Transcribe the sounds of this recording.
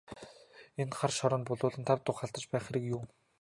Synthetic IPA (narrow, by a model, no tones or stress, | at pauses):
enχarʃɔɾɞ̆npʊɮʊːɮə̆nt̪ʰawt̪ʊχaɮt̪ə̆t͡ɕpæːχeɾikjuː